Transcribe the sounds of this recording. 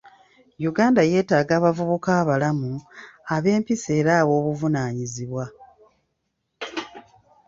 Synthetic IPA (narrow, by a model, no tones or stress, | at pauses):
juɡaːndaje̞ːtaːɡaːβavuβukaːβalamuaβe̞ːmpise̞ːɾaːβo̞ːβuvunaːɲiziβwa